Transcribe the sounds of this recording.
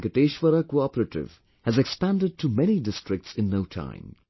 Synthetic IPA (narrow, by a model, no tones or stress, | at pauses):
kəʈeːʃʋəɾakoɔpəɾəʈɪ̰ʋ | hæzɛkspæ̃nɖɪɖ̚ʈʰumɛñidɪstɹɪk̚tsɪ̃nːoʊtʰã̰ɪ̃m